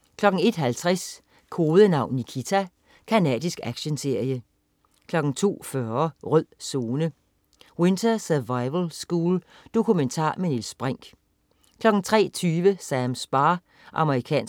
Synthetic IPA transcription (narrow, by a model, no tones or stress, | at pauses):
kʰlɒ̽ɡ̥n̩e̝d̥ɦælt͡sʰʁɛs | kʰo̝ːðˠənɑ̈ʊ̰nːikʰit͡sʰæ | kʰænɛ̰ːd̥ˠisɡ̥æɡ̥ɕənse̝ɐ̰jə | kʰlɒ̽ɡ̥n̩t͡sʰo̝̰ːfɶɐʁœð̰ˠso̝ːnə | we̝nt͡sʰɐsɛʋɑ̈ɪʋəlsɡ̥uːl | d̥o̝kʰument͡sʰɑ̰̈ːmenilsb̥ʁaŋ̰ɡ̥ | kʰlɒ̽ɡ̥n̩t͡sʰʁɛ̰ːt͡sʰyːʋəsæmsb̥ɑ̈ː | ʔɑ̈məʁikʰɛ̰ːn